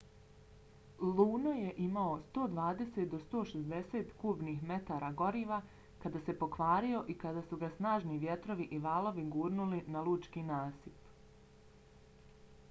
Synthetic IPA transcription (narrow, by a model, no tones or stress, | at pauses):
lˠuːnojeʔimaost̪o̞ːd̪ʋaːd̪e̞se̞t̪̚d̪o̞st̪o̞ːʃezd̪e̞seːt̪kuːbnixme̞t̪aɾaɡo̞ɾiːʋa | kad̪aːse̞po̞kʋaːɾio̞ʔikad̪aːsuɡasnaːʒniʋje̞t̪ɾo̞ʋiʔiʋaːlˠo̞ʋiɡuːɾnulinalˠuːt͡ʃkinaːsip